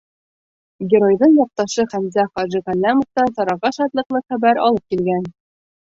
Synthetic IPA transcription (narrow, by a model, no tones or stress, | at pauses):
ɡʲɪɾo̞jðɤɴjɒq̚t̪ɑʃɤχæmzæχɒʒɘʁælʲːæmŏft̪ɑsɒɾɑʁɑʃɒt̪lˠɤ̆qlˠɤχæbæɾɒ̰lˠɤp̚kilɡæn